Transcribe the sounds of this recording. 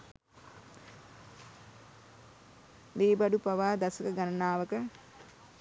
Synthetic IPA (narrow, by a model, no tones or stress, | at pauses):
liːbɐɖupaʋaːd̪asəkəɡanɐnaːʋəkə